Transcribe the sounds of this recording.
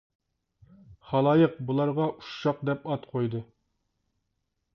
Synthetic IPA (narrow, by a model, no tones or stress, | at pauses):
χɑlˠɑjəq̚bulˠɑɾʁɑʔu̥ʃːɑq̚d̪ɛpɑt̪qʰojd̪ɨ